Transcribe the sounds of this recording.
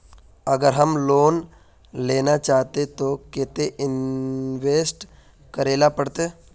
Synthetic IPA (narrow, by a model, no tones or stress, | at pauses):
əɡəɾɦəmloːn | leːnat͡ʃaːɦt̪et̪okɪt̪eʔɪnʋeːsʈ | kəɾeːlapəɽt̪eː